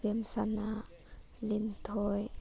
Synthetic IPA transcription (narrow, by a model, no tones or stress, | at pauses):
emsana | lint̪ʰɔj